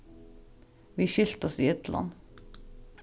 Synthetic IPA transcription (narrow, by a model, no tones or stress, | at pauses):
ʋiʃɪlt̪ɔsiɪt̪lʔɑ̰n